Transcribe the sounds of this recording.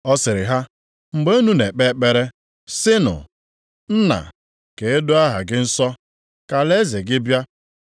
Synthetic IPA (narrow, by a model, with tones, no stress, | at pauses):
ɔ˦sɪ˨ɾɪ˨ɦa˦ | ŋ͡m̩˨ɡ͡be˦u˦nu˦ne˨k͡pe˦k͡pe˦ɾe˦ | sɪ˦nʊ̰˨ | n̩˦na̰˨ | ke˨e˦dʊ˦a˦ɦa̰˨ɡɪ˦n̩˦sɔ˦ | ka˨le˦ze˨ɡɪ˦bja˦